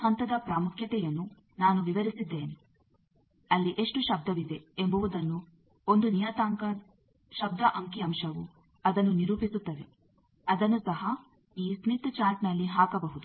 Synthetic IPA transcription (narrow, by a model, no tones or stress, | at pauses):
hɐnt̪ɐd̪ɐpɾaːmukʰjɐt̪ɛjɐnːu | naːnuʋiʋɐɾisid̪ːe̞ːne | ɐlːiʔe̞ʂʈuʃɐb̚d̪ɐʋid̪e̞embuʋud̪ɐnːu | o̞nd̪unijɐt̪aːŋkɐ | ʃɐb̚d̪ɐʔɐŋkiɐmʃɐʋu | ɐd̪ɐnːuniɾuːpisut̪ːɐʋe | ɐd̪ɐnːusɐɦɐ | iːsnit̪t͡ʃaːɾʈnɐlːiɦaːkɐbɐɦud̪u